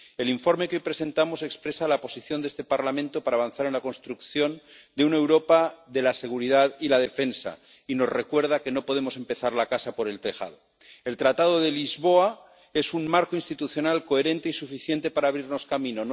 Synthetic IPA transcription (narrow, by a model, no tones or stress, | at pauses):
e̞liɱfo̞ɾmekeojpɾe̞se̞nt̪amo̞se̞kspɾe̞salapo̞siθjo̞nd̪est̪epaɾlamẽnt̪o̞paɾaːβ̞anθaɾe̞nlako̞nst̪ɾukθjo̞nd̪e̞unaewɾo̞paðe̞lase̞ɣ̞uɾiðaðilað̞e̞fe̞nsa̰ | ino̞zre̞kwe̞ɾð̞ake̞no̞po̞ð̞emo̞se̞mpe̞θaɾlakasapo̞ɾe̞lt̪e̞xa̰ðo | e̞lt̪ɾat̪aðo̞ðe̞lizβo̞a | e̞sunmaɾkoinst̪it̪uθjo̞nalko̞e̞ɾẽ̞nt̪e̞isufiθje̞nt̪e̞paɾaːβɾiɾno̞skamĩno̞n